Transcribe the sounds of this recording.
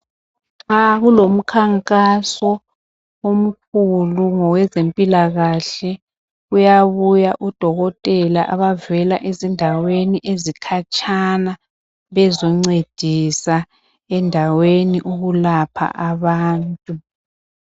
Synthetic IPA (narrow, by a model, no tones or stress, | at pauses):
ŋaɣulom̩kʰaŋkʼasɔ | om̩k̚ʰuluŋɔwɛzempʼilaɣaɬɛ | ujaβujaʔud̥ʱɔɣɔtʼɛlaʔaβavɛlaʔezindʱaweniʔezikʰat͡ʃʰʼana | βɛzɔŋ͡ǀed̥ʱisa | ɛndʱaweniʔuɣulapʰa̰ʔaβaːntʼu